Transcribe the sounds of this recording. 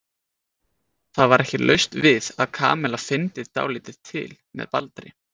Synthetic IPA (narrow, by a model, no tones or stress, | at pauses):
θaðvaɾʔɛhcɪlʔœ̰ɥst̪vɪðaðkʰa̰ːmɛlafɪnt̪ɪðt̪a̰ːwlɪːt̪ɪð̥t̪ʰɪ̰lmɛ̰ðpa̰lt̪ɾɪ